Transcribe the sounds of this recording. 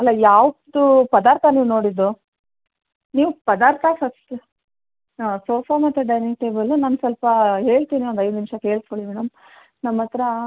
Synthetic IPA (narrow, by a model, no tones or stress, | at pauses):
ɐlːɐjaːʋd̪upɐd̪aːɾt̪ʰɐniːʋno̞ːɽid̪u | niːʋupɐd̪aːɾt̪ʰɐsɐt̪ːe | soːpʰamɐt̪ːeɖɐjnekʈeːbɐlːunaːnsɐlpɐɦe̞ːɭt̪iːniond̪ɐjd̪nimʂɐke̞ːɭskoɭimɛːɽɐm | nɐmːɐt̪ɾɐ